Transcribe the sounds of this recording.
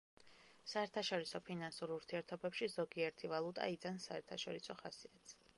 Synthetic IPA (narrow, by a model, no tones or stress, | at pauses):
saɛɾt̪ʰaʃɔɾisɔpʰinansuɾuɾt̪ʰiɛɾt̪ʰɔbɛpʃizɔɡiɛɾt̪ʰivalˠut̪ʼa̰id̪ansaɛɾt̪ʰaʃɔɾisɔχasiat̪sʰ